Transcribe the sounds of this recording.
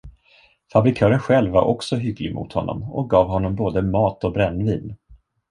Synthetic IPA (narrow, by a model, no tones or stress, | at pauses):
fabɾɪkʰœːɾənɧɛlvːaɾʔɔksɔɦʏɡlɪɡmʊ̰t̪hɔnːɔ̰mɔk̚ɡɑːvɦɔnːɔmboːd̪əmɑːt̪ɔbɾɛnːviːn